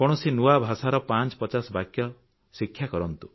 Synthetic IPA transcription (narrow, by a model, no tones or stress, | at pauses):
kɔɽ̃ɔsinuabʱasaɾɔpant͡ʃɔ̥pɔt͡ʃasɔbakjɔ | sikʰjakɔɾɔnt̪u̥